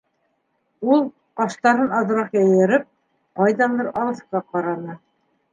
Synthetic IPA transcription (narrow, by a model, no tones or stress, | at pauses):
ulˠ | qɑʃt̪ɑɾɤnɑð̆ɾɑqjɑjɤ̆ɾɤp̚ | qɑjðɑnd̪ɤɾʔɑlˠɤ̆sqɑqɑɾɑnɤ